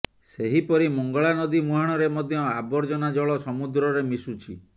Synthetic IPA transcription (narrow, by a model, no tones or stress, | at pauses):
seɦipɔɾimɔŋɡɔɭanɔd̪imuɦaɽ̃ɔɾemɔd̪ʱjɔabɔɾd͡ʒɔnad͡ʒɔɭɔsɔmud̪ɾɔɾemisut͡ʃʰi